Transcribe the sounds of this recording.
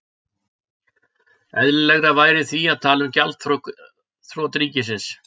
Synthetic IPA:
ɛðlɪlɛɣɾavaːjɾɪθviaðt̪ʰaːlʏmcalt̪ | θɾɔt̪ɾiːcɪsɪns

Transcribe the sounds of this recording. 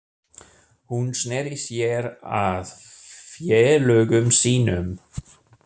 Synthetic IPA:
hunsnɛɾisjɛɾa̰ðfjɛːlœːɣʏmsiːnʏm

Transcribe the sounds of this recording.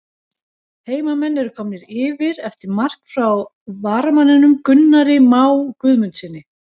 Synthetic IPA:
heːjmamɛnːɛɾʏkʰɔmnɪɾɪːvɪɾɛft̪ɪɾmar̥kfɾaw | vaɾmanɪnʏmkʏnːaɾɪmaːwkvʏðmʏnsɪnːɪ

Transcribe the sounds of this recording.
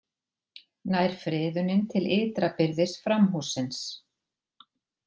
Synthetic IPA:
naːjɾ̥fɾɪːðʏnɪnt̪ʰɪlɪːt̪ɾapɪɾðɪsfɾamɦusːɪns

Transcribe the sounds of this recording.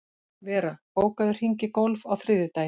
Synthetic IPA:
vɛːɾapoːwkaðʏr̥iɲcɪkowlvawθɾɪːðɪt̪aːj

